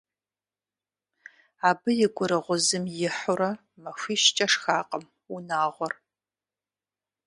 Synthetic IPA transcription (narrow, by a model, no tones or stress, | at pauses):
aːbɨjɪɡʷʊɾɨʁʷʊzɨmjɪħʊɾɐ | mɐfʷiːʃt͡ʃʼɐʂxaːqʼəm | unaːʁʷɔr